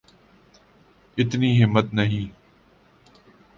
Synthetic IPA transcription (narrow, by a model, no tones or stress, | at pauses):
ɪt̪niːɦɪmːət̪nɐɦĩː